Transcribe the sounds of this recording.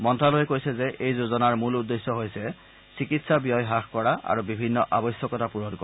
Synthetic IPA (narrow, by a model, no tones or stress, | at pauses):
mɔntʰɹalojɛkojsɛzɛʔejzuzɔnaɹmuludːesːɔɦojsɛ | sikitsabijɔjɦaxkɔɹaʔa̰ɹubibʱinːɔʔabɔjsjɔkɔtapuɹɔdkɔ